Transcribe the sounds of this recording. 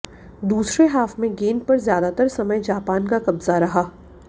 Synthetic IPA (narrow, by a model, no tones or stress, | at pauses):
d̪uːsɾeɦaːfmẽɡeːnpɐɾzjaːd̪at̪əɾsɐməjd͡ʒaːpaːnkakɐbzaɾɐɦaː